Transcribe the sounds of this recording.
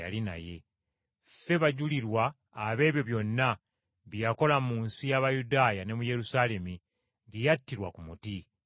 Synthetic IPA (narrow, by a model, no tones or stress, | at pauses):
ja̰lina̰je̞̰ | fe̞βaɟuliɾwaː | βe̞ːβjo̞βjo̞nːa | βjjako̞lamuːnsijaβajudaːjane̞muje̞ɾusale̞mi | ɟijatːiɾwakumuti